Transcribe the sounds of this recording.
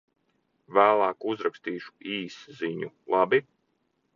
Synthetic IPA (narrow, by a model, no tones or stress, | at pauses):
væːlˠaːkuzɾakst̪iːʃu̥iːsziɲu | lˠɑbi